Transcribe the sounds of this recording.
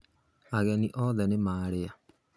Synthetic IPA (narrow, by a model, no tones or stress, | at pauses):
aɣɛniʔɔðɛnemaːɾea